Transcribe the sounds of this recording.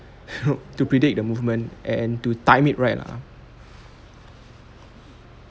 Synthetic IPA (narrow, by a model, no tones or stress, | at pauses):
otupɹidik̚dəmuvmə̃nʔɛ̃ntutãj̃mit̚ɹaɪtla̰